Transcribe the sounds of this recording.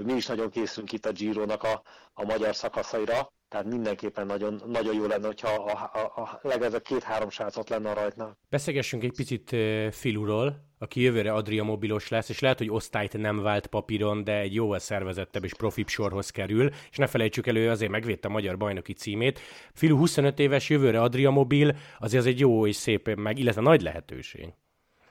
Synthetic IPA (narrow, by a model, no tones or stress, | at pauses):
miiʃnɒɟo̞ŋkeːsyŋkit̪ːɒd͡ʒiːɾoːnɒkɒːmɒɟɒrsɒkɒsɒiɾɒt̪ɛɦat̪mind̪ɛŋkeːpːɛnːɒɟo̞nːɒɟojjoːlɛnːɛocʰhɒ | lɛɡɛzɛb̚keːt̪haːɾo̞mʃaːt̪sot̪lɛnːɛɒɾɒjt̪naːlb̥ɛseːlɡɛʃːyŋkɛc̚pit̪sit̪ːfiluɾol | ɒkijøvøːɾɛɒd̪rijɒmo̞bilo̞ʃlɛsːeːʃlɛɦɛt̪ho̞ɟo̞st̪aːjt̪nɛmvaːlt̪pɒpiɾo̞nd̪ɛːɟjoːvɒlsɛrvɛzɛt̪ːɛbːeːʃpro̞fipʃo̞rɦo̞skɛɾyleʃnɛfɛlɛjt͡ʃykɛløːɒzeːrmɛɡʋeːt̪ːɛɒmɒɟɒrbɒjno̞kit̪siːmeːt̪filuɦuso̞nø̞t̪eːvɛʃjøvøːɾɛɒd̪riɒmo̞bilɒzezɛɟjoːeːʃseːpmɛɡilːɛt̪vɛnɒɟlɛ̰ɦɛt̪ø̰ːʃḛːɡ